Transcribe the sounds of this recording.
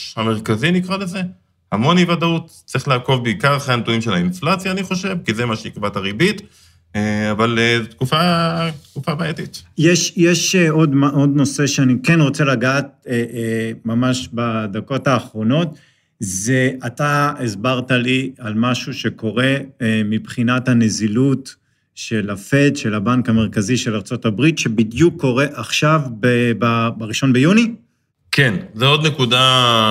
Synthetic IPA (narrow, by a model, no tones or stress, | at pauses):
hameʁkazinikʁaleze̞ | hamo̞nivadautt͡sʁiχlaːko̞vbeikaʁχeantuimʃelainflat͡sjaːniχo̞ʃe̞vkizemaʃeikbataʁibitː | avalet̪kufat̪kufabaetit̪jeʃjeʃeo̞d̪modno̞se̞ʃeanikenʁo̞t͡se̞laɡaːt̪̚emamaʃbad̪ako̞taːχʁo̞no̞t̚ | zeataezbaʁtalialmaʃuʃe̞ko̞ʁe̞mipχinathane̞zilut | ʃelafe̞t̪ʃe̞labaŋkame̞ʁ̞kaziʃe̞laʁt͡so̞tabʁitʃe̞bidjukʰːo̞ʁe̞ʔaχʃavbebabaʁiʃonbejuni | kenzeod̪nekuda